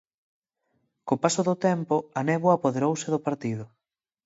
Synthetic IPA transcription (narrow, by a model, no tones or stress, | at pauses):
kopasoðʊt̪ɛmpʊanɛβʊapoðeɾowsɪðʊpaɾt̪ið̞ʊ